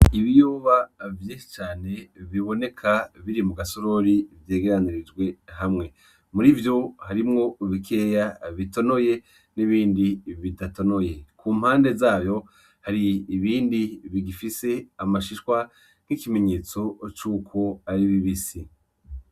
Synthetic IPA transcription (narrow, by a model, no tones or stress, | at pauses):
iβijoːβavjeʃi̥t͡ʃaːne̞βiβo̞ne̞kʰaβiɾimuɡasoɾo̞ɾivje̞ːɡe̞ɾaniɾid͡ʒɡwe̞hamŋe̞ | muɾivjo̞haɾimŋo̞βikʰe̞ːjaβito̞no̞je̞ | niβiːndiβidato̞no̞je̞kuːm̥haːnde̞zaːβjo̞ | haɾiːβiːndiβiɡifise̞amaʃiʃwa | n̥ikime̞ɲe̞ːt͡so̞t͡ʃuːkʰo̞aɾiβiβisi